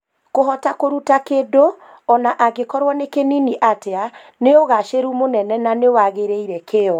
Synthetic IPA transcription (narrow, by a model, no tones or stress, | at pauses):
koɦɔtakoɾutakedo | ɔnaʔaɣekɔɾwɔnekeniniʔatea | neoɣaʃeɾumonɛnɛnaneowaɣeɾeiɾɛkeɔ